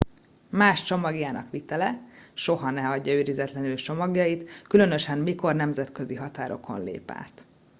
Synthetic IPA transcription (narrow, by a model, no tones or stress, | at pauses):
maːʃt͡ʃomɒɡjaːnɒ̰kʋit̪ɛlɛʃo̞ɦɒnɛɒɟːɒyːɾizɛt̪lɛnylt͡ʃo̞mɒɡjɒjit̪kylø̞nø̞ʃɛmmiko̞rnɛmzɛt̪kø̞ziɦɒt̪aːɾo̞̰kʰo̞̰nlḛːpa̰ːt̪